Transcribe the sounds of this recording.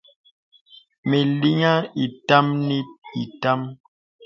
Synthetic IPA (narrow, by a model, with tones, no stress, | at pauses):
me˨li˦ŋa˦i˨ta˦mni˦i˨ta˦m